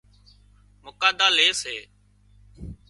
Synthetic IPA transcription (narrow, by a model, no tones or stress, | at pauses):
mʊkaːd̪aːleːseː